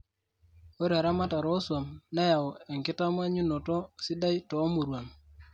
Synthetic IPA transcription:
o˦ɾa˨ɾa˦ma˦ta˨ɾɔ˦swa˨mna˦ja˨ɔ˨e˨ŋkɪ˦ta˦m˦a˦ɲu˦no˨tɔ˦sɪ˦da˦jtɔː˨˦mu˨ɾwa˨n

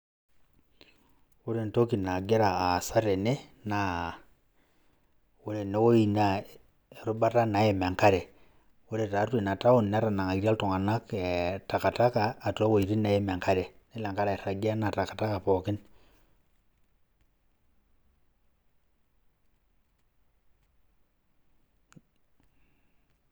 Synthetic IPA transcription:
u˦ɾe˦˨n˨to˦ki˨na˨ɡɛ˦ɾa˨a˨sa˦ɾe˨ne˦na˨ | o˦ɾe˨ne˨˦wo˦i˨na˦ | e˨ɾu˦ba˦ta˦na˨˦jɛ˨m˨a˨ŋka˦ɾɛ˨ | o˦ɾe˨ta˨˦twe˨n˨a˨ta˦o˦˨nn˦a˦ɾa˨na˨ŋa˨i˨ɾi˦a˦ltɔ˨ŋa˨na˦kta˨ka˨ta˦kaː˨to˦wo˨i˨ɾi˦na˨˦e˦me˨ŋka˦ɾe˨ni˦la˨ŋka˦ɾa˨ɾa˨ɡa˦na˨ta˨ka˨ta˦ka˨pɔ˨kɪ˦n

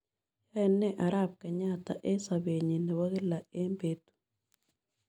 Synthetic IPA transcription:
ja˦ɛ˨nːɛ˦ʔa˨ɾa˦p̚kɛ˨ɲa˦t̪a˨ʔe˦sa˨be˨ɲi˨nɛ˨wa˦ɣɪ˦la˨e˦mbe˦t̪u̥

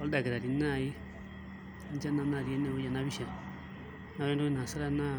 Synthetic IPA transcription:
ɔ˦ld̪a˨ɡe˨ɾa˨ɾi˨na˦˧˨i˦ | nd͡ʒa˦na˧na˦˨ɾi˨e˦ne˦˨u˦ja˨na˦βi˦ʃa˨ | na˦ɛ˦ndo˦i˦na˨sa˦ɾa˦na˦

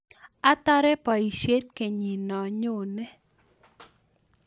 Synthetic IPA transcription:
a˦ta˦ɾɛ˦pa˨i˨ʃe˦t̚ke˨ɲi˨nɔ˨ɲo˦˨nɛ˦

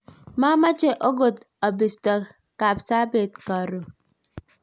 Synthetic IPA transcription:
ma˦ma˦t͡ʃe˨ʔo˦ɡo˨t | ɔ˨bi˨stɔ˨ | ka˨psa˦be˨t̚ka˨ɾo˨

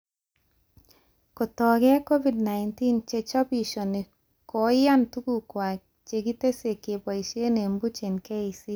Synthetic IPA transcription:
ko˨tɔ˨ɡɛ˦ko˦vi˨dna˨ɪnti˦nt͡ʃe˨t͡ʃɔ˦pi˨ʃɔ˨ni˨ | kɔ˨˦ja˦ntu˦ku˦kwa˨ | t͡ʃe˨ɡi˦te˦se˨ke˨bɔ˨i˨ʃe˦ne˨mbu˦t͡ʃe˨nke˦i˨si˦

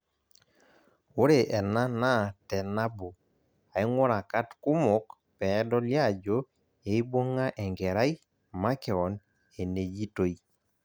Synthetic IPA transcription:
o˦ɾe˨ʔɛ˨na˦na˦˨tɛ˨na˦bo˨ | a˨i˦ŋwɔ˦ɾa˨ka˦tku˦mɔ˨˦k | pɛ˨˦dɔ˦lja˦˨d͡ʒo˦ | e˨˦i˦bo˦ŋa˦ʔɛ˨ŋɡɛ˨ɾa˦i˦ | ma˦kɛ˨ɔ˨n | e˨ne˨d͡ʒi˦to˦i˨

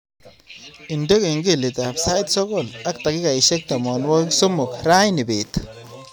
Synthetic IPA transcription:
i˨nde˦ki˨ŋɡi˦˨li˨t̪a˨psa˦jt̪so˦ɡo˦˨la˦k̚t̪a˨ki˦ka˨i˨ʃe˦k̚t̪a˨mo˨nwo˦kso˦mʊ˨kɾa˦jni˨bi˨t̪

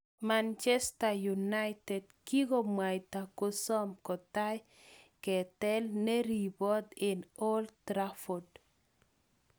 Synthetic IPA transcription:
mant͡ʃɛ˦sta˨juna˦jtɛ˨dki˦ɡo˦mwa˨jt̪a˨ko˦sɔ˦mkɔ˨ta˦j | kɛ˨tɛ˦lne˦ɾi˨bɔ˦d̪e˨no˦ltɾafo˨d

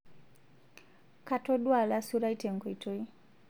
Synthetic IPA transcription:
katɔ˦ɗwa˨la˦suɾa˦i˦tɛ˨ŋɡɔ˨i˨tʰɔ˦i˦

